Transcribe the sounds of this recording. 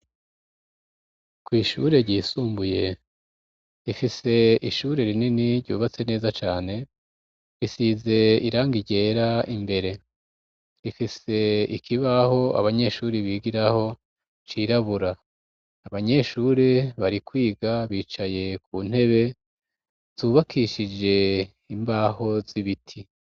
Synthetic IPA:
kwiːʃuɾe̞ɾɟiːsuːmbuje̞ | ɾifise̞iʃuɾe̞ɾininiɾɟṵːβat͡se̞ne̞ːzat͡ʃaːne̞ | ɾisize̞iɾaːŋɡiɟe̞ːɾaimbe̞ɾe̞ | ifise̞ḭkʰiβaho̞a̰βaɲe̞ʃuːɾiβiːɡiɾaho̞ | t͡ʃiːɾaβuɾa | aβaɲe̞ʃuːɾeβaɾikwiːɡaβiːt͡ʃaje̞k̚uːn̥he̞βe̞ | z̥uːβakʰiʃid͡ʒe̞ | imbaːho̞ziβitʰi

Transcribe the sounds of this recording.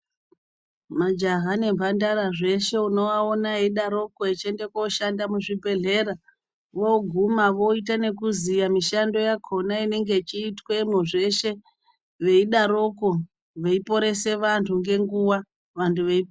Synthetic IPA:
mad͡ʒaɦane̞mbʱandaɾaʐe̞ʃe̞uno̞ʋaonaeiɗaɾo̞ko̞et͡ʃende̞koʃandamuʐibʱe̞ɮe̞ːɾa | ʋo̞ɡʱumaʋo̞itane̞k̬uzijamiʃando̞jakʰo̞naine̞ŋɡe̞t͡ʃiːtwemwoʐe̞ʃe̞ | ʋe̞iɗaɾo̞ko̞ | ʋe̞ipo̞ɾe̞se̞ʋantʰuŋɡe̞ŋɡuwa | ʋantʰuʋeip

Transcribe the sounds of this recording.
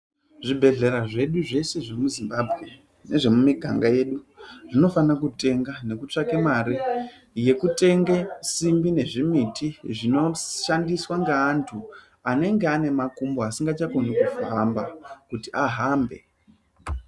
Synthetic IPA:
ʐibʱe̞ɮe̞ɾaʐe̞ɗuʐe̞se̞ʐemuzimbabʱɣe̞ | ne̞ʐe̞mumiɡʱa̰ŋɡaje̞ɗuʐino̞fanakute̞ŋɡane̞kut͡ʂakemaɾi | je̞kute̞ŋɡesimbine̞ʐimitʰiʐino̞ʃandiswaŋɡaːntʰu | ane̞ŋɡeane̞makumboasiŋɡat͡ʃakonikufambakutiaɦambe̞̰

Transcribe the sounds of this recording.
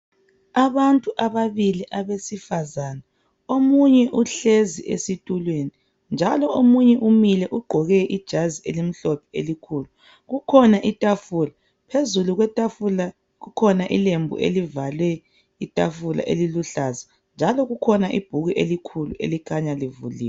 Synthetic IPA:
aβantʼuʔaβaβiliʔaβesifazaːna | omuɲɛʔuɬeziʔḛsitʼulweni | nd͡ʒʱalɔomuɲɛʔumilɛʔuɡ͡ǃʱɔɣɛʔid̥ʒ̥ʱazielim̩ɬɔpʰɛelikʰuːlu | ɣukʰɔnaʔitʼafuːla | pʰezuluɣwɛtʼafula | ɣukʰɔnaʔilembʱṵʔḛlivalwɛ | itʼafula̰ʔḛliluɬaza | nd͡ʒʱalɔɣukʰɔnaʔḭb̥ʱuɣiʔelikʰuluḛlikʰaɲalivṵliːwɛ

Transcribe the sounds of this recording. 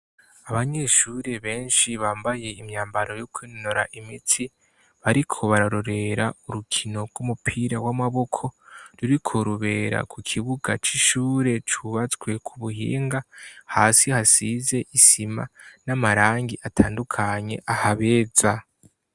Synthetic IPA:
aβaɲe̞ʃuːɾe̞βe̞ːnʃiβaːmbaje̞imɲaːmbaɾo̞jokwiːnnoɾa̰ʔimitʰi | βaɾikʰo̞βaɾaɾo̞ɾe̞ɾauɾukʰino̞ɡumupʰiɾaɡwamaβo̞kʰo̞ɾuɾikʰo̞ɾuβe̞ːɾa̰kʰukʰiβuɡat͡ʃiʃuːɾe̞t͡ʃuβat͡swe̞kʰuβuɦḭːŋɡahaːsihasize̞ʔisima̰namaɾaːŋɡiʔatʰaːndukʰaɲe̞̰ʔahaβe̞ːza

